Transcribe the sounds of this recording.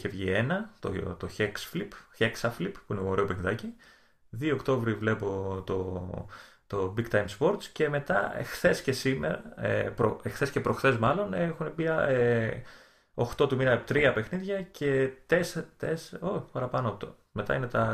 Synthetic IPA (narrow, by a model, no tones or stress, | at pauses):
çevʝie̞nɐt̪o̰t̪oçeksflipçeksɐflippuineoɾe̞opexniðɐci | ðioːkt̪o̞vɾivle̞po̞t̪o̞ | t̪o̞biɡt̪ɐjmspo̞ɾt̪sce̞me̞t̪ɐexθe̞sce̞simeɾɐḛpɾoexθe̞sce̞pɾo̞xθe̞zmɐlo̞nexunebiɐe | o̞xt̪o̞t̪uminɐpt̪ɾiɐpe̞xniðʝɐcet̪est̪esoçpɐɾɐpɐnot̪o | me̞t̪ɐ̰ine̞t̪ɐ